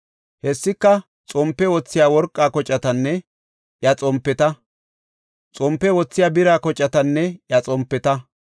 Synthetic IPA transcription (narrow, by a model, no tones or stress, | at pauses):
hɛsːɪkːɐ | t͡sʼɔmpːɛwɔt͡sːɪjaːwɔɾkʼːaːkɔt͡ʃʼːɐt̪ɐnːɛ | ʔjɐt͡sʼɔmpːɛt̪ɐ | t͡sʼɔmpːɛwɔt͡sːɪjaːbɪɾaːkɔt͡ʃʼːɐt̪ɐnːɛʔjɐt͡sʼɔmpːɛt̪ɐ